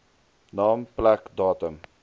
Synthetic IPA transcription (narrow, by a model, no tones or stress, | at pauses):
nɑːmplækdɑːtəm